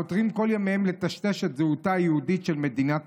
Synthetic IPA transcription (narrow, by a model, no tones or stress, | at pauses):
ot̪ʁimko̞ljameemle̞t̪aʃte̞ʃet̪zeut̪aːjehud̪it̪ʃe̞lme̞d̪inat